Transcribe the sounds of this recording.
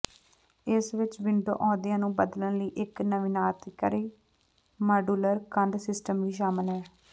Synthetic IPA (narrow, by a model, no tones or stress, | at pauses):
ɪsʋɪt͡ʃʋɪɳɖo̰ːʔɔ̃ːd̪ɪjãːnũːbəd̪lənləiːʔɪknəʋɪnaːt̪kəɾeː | maːɖuːləɾkəɳɖsɪsʈəmʋiːʃ̬aːməɪlɦɛː